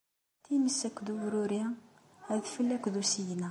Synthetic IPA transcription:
t̪inəsːækd̪uwɾuɾjæ | hæðfəlːækðusijnæ

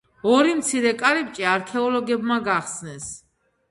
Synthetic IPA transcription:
ɔɾimt̪sʰiɾɛkʼaɾɛp̚t͡ʃʼiaɾkʰɛɔlɔɡɛbmaɡaχsnɛs

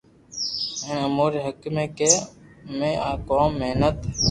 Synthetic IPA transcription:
enəmuːɾeːɦəkmẽːkeːmẽːʔaːkoːmːeɦnət̪ː

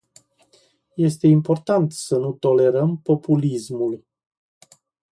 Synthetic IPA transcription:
je̞st̪e̞impo̞rt̪ant̪sənut̪o̞le̞ɾəmpo̞pulismul

